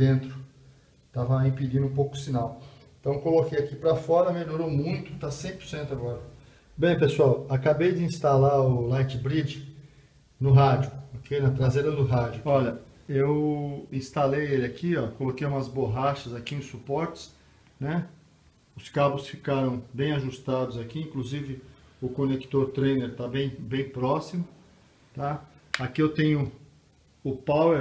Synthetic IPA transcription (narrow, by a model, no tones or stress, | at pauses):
d̪ẽnt̪ɾʊ | t̪avɐĩpid͡ʒĩnũpowkʊ̥sinawẽt̪ɐ̃w̃kolokejakipɾɐfɔɾɐmeʎoɾomũj̃t̪ʊ̥t̪asẽj̃pʊɾsẽnt̪ʊaɡɔɾɐ | bẽj̃pesʊawakabejd͡ʒɪĩst̪alaʊlajt͡ʃɪbɾid͡ʒɪ | nʊɦad͡ʒʊokʰejnɐt̪ɾazeɾɐd̪ʊɦad͡ʒʊɔʎɐewĩst̪alejelɪakʰiɔkolokejũmɐzboɦaʃɐzakiẽsupɔɾt͡ʃɪ̥s | nɛ | ʊskabʊsfikaɾɐ̃w̃bẽj̃aʒust̪ad̪ʊzakiĩkluzivɪʊkonekt̪oɾt̪ɾejneɾt̪abẽj̃bẽj̃pɾɔsimʊ | t̪a | akiewt̪ẽj̃ʊ | ʊpawe